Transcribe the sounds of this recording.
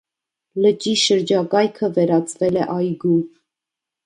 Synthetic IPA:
lət͡ʃiʃəɾd͡ʒɑkɑjkʰəvɛɾɑt͡sʰvɛlɛʔɑjɡup

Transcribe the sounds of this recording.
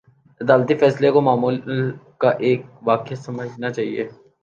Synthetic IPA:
ɪd̪aːlt̪ifɛːslekomaːmuːllkaʔeːk̚ʋaːkeasɐməd͡ʒʱnat͡ʃaːɦiḛː

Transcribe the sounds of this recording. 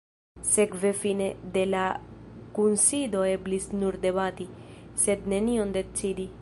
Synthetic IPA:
se̞kve̞fine̞d̪e̞lakunsid̪o̞e̞blisnuɾd̪ebat̪ise̞d̪ne̞niond̪e̞t͡sid̪i

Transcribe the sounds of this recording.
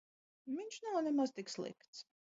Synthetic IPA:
viɲʲʃnawnɛmazt̪ikslˠḭkt̪s

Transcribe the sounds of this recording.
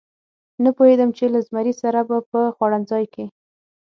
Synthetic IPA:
napohed̪əmt͡ʃelazmaɾisaɾabapəxwɑɽanzɑjke

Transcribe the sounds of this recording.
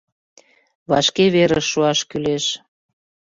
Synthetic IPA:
βɑʃkeβeɾəʃːuɑʃkyleʃ

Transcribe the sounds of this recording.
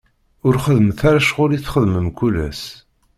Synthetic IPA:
ʊɾχəðməθaɾaʃʁʊɾiθχəðməmkulæ̰s

